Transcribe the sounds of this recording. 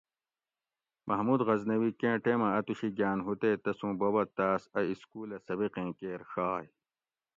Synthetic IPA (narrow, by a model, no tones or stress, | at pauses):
mʔɐɦmuːd̪ɣɐznɐwikẽːʈeːmɐɐt̪uɕiɡjaːnɦut̪eːt̪ɐsũːbɐbɐt̪aːsɐiskuːlɐsɐbiqẽːkeːɾʂaːj